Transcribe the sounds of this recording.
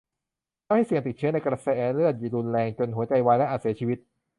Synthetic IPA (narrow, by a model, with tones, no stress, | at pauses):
a˥˩wha˥˩jsi˨˩əŋt̪i˨˩t̪̚t͡ɕʰɯ˦˥ɐna˧jkɾa˧sɛː˦˥ʔɛː˧lɯ˥˩ət̪̚juː˨˩ɾu˧nlɛː˧ŋt͡ɕo˧nɦu˩˦ɐt͡ɕa˧jwa˦˥jlɛ˦˥ʔaː˨˩t̪si˩˦t͡ɕʰiː˧wi˦˥t̪̚